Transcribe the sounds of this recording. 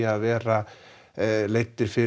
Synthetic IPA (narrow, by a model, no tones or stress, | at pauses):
aðvɛːɾa | lejt̪ːɪɾ̥fɪ